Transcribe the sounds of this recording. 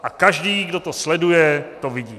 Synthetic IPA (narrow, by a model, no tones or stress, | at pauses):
ʔakaʒdiːɡdo̞t̪o̞slɛdujɛt̪ovɪɟiː